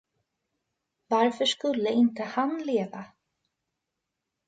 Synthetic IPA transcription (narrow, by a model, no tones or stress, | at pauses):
vaɾfœ̥skɵlːɪɪnt̪əhanleːva